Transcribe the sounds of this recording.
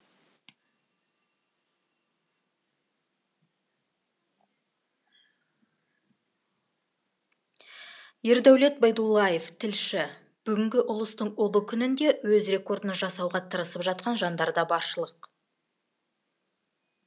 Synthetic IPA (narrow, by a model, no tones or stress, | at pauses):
je̞ɾd̪æwle̞t̪̚bɑjd̪ulˠːɑje̞ft̪ʰɪlʃɪ | b̥ʏɡʲɪŋɡʲɪʔʊlˠəst̪əɴolˠəkʲʰʏnɪnd̪e̞wɵzre̞ko̞ɾd̪ənʒɑsɑwʁɑt̪ʰəɾəsəpʒɑt̪̚qɑnʒɑnd̪ɑɾd̪ɑbɑɾʃəlˠəq